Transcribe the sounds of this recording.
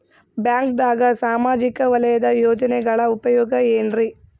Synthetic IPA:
bjaːŋkd̪aːɡɐsaːmaːd͡ʒikɐʋɐlɐjɐd̪ɐjoːd͡ʒɐnɛɡɐɭɐupɐjɔːɡɐeːnɾi

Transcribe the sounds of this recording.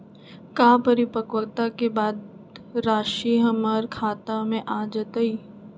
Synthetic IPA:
kaːpɐɾipəkəlt̪akebaːd̪ɾaːʃiɦɐməɾkʰaːt̪amẽʔaːd͡ʒət̪əiː

